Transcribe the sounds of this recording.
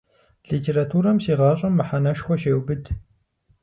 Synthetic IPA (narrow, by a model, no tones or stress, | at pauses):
ɮiːtʰeːɾatʰuːɾɐmsiːʁɑːɕʼɐmːɨħanɐʃxʷɔʃeːwbɨd